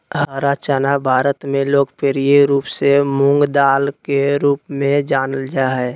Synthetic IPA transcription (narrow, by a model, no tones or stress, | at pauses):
ɦəɾat͡ʃaːnabʱaːɾət̪mẽloːkpeːɾieɾuːpsemʊ̃ŋɡd̪aːlkeɾuːpmẽd͡ʒaːnəld͡ʒaɦɛː